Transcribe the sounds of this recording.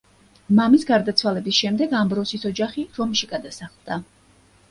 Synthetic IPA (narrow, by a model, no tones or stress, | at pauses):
mamisɡaɾd̪at̪sʰwalɛbisʃɛmd̪ɛɡambɾɔsisɔd͡ʒaχiɾɔmʃiɡad̪asaχlˠd̪̥a